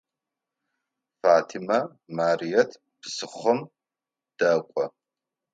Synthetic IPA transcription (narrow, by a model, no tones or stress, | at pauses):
faːtʰimɐ | maːrijɛtʰ | pʰsɨχʷɔm | d̥ɐkʷʼɔ